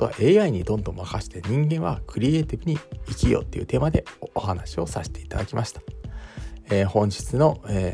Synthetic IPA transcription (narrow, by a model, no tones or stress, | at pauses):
oa̰ʔe̞ːaiɲ̟id̪õ̞nd̪õ̞makaɕi̥t̪e̞ɲ̟ĩŋɡẽ̞ɰ̃βakɯ̟ɾʲie̞ːt̪ʲibɯ̟ɲ̟iːkʲijo̰ːt̪ːe̞iɯ̟̰t̪e̞ːmad̪e̞ohanaɕio̞saɕe̥t̪e̞i̥t̪ad̪akʲimaɕi̥t̪ḁ | ehõ̞ɲ̟d͡ʑi̥t͡sɨno̞e